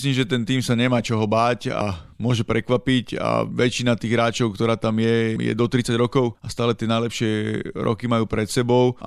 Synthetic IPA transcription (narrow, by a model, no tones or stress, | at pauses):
sliːmʒɛt̪ɛnt̪iːmsaɲɛmaːt͡ʃɔɦɔbaːca̰mʊɔʒɛpɾɛkʋapica̰ʋɛt͡ʃinat̪iːɣɦɾaːt͡ʃɔʊkt̪ɔɾaːt̪amjɛjɛ̰d̪ɔt̪ɾit͡saɟɾɔkɔʊast̪aːlɛt̪ɪɛnajlɛpʃɪɛɾɔ̰kimajuːpɾɛt̪sɛbɔʊ